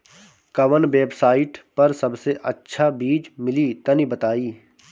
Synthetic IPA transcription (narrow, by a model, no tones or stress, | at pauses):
kɐʋənʋeːbsaːɪʈpɐɾsɐbseʔɐtːʃʰabiːd͡ʒmɪlit̪ɐnibɐt̪aːiː